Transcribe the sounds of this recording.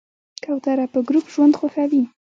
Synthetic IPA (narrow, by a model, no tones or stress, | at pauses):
kawt̪aɾapəɡɾupʒwand̪xaxawi